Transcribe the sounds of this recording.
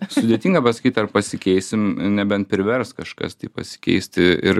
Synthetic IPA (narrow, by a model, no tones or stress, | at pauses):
sʊd̪ʲet̪ʲiːŋɡɐpɐsɐ̥kʲiːt̪ɐrpɐsʲɪkʲɛɪsʲɪmnʲɛbʲɛnt̪̚pʲɾʲɪʋʲɛrskɐʃkɐ̰st̪ʲiːpɐ̰sʲɪ̥kʲɛ̰ɪsʲt̪ʲɪɪ̰ɾ